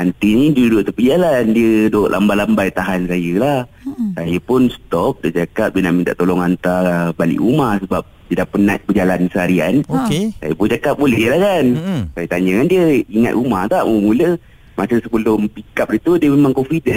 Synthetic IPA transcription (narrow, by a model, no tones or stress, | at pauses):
ant̪inidiədudʊʔt̪upəd͡ʒalandiədoʔlʔa̰mbalambajt̪aɦansajəlahsajəpʊnst̪ɔp̚daʔd͡ʒakap̚dinaʔmint̪a̰ʔt̪olɔŋant̪abalḭʔumahsəbap̚diədapənat̪̚bəd͡ʒalansəaɾiankesa̰jəpʊnd͡ʒakap̚bolɛɦəlahkansajət̪aɲd͡ʒaŋandiəiŋa̰t̪̚umaht̪aʔməmulə | masəsəbəlʊmpikap̚dit̪udiəmemaŋkofidə